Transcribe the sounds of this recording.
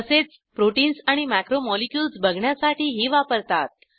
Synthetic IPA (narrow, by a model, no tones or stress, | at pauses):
əset͡s | pɾoʈinsaɽ̃imækɾomɔlikjulsbʱəɡʱɳjasaʈʰiːɦiːʋapəɾt̪at̪̚